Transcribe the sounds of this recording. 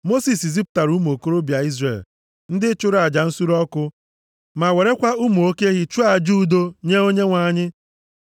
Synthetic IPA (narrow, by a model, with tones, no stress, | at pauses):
mo˦si˨si˨zi˦pʊ̥˦ta˨ɾu˦m˨o˨ko˦ɾo˦bja˨i˦zrḛ˨l | n̩˦dɪ˦t͡ʃʊ˦ɾa˨d͡ʒa˨n̩˦su˦ɾɔ˦kʊ˦ | ma˨we˨ɾe˦kʷa˦u˦mu˨o˦ke˦ɣɪ˦t͡ʃu˦a˨d͡ʒu˦˨do˦ɲe˦o˦ɲe˦ŋʷa˨ɲɪ˦